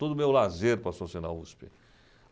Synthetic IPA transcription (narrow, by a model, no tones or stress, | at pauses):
t̪od̪ʊmewlazeɾpɾɐsosina̰uspɪ